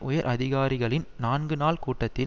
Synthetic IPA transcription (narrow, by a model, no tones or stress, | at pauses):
ʔʊjɐɾʔɐðɪɣaːɾɪɣɐɭɪnnaːnɡɯnaːlkuːʈːɐt̪ːɪ